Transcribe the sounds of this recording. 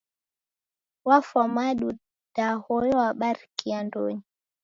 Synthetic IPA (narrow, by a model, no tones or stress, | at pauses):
wafamaɗu | d̥ahɔjɔwaɓaɾkiando̰ːɲi